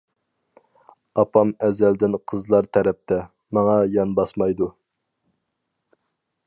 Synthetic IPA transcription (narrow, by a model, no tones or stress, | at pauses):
ɑpʰɑmɛzæld̪ɪnqʰəzlˠɑɾt̪ʰɛɾɛp̚t̪ʰɛ | mɑŋɑjɑnbɑsmɑjd̪u